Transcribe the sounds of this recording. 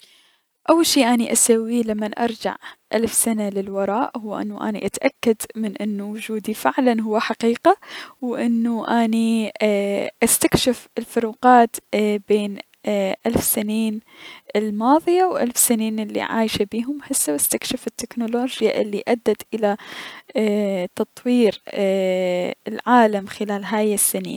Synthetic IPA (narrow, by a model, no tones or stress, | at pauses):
ʔawːalʃiːʔaniʔasawːilamːanʔɑ̰ɾˤd͡ʒa̰ʕʔalfsanalɪlwɑɾˤɑːʔhʊwːʔɪ̰nːuʔa̰nḭʔat̪ʔakːad̪mɪnʔɪnːuwʊd͡ʒuːd̪ifɪʕlanɦʊwːaħaqiːqawʔɪnːuʔaːni | ʔast̪akʃɪfɪlfʊɾuːqɑːt̪beːn | ʔalfsɪniːnʔɪlmɑːðˤɨjawʔa̰lfsɪniːnɪlːḭʕa̰ːjʃabiːɦʊmħasːawast̪akʃɪfɪt̪ːɪknoloːd͡ʒja̰ʔɪlːiʔad̪ːat̪ʔɪla | t̪ɑt̪ˤwiːɾ | ɪlʕaːlamxɪlaːlɦaːjɪsːɪnḭːn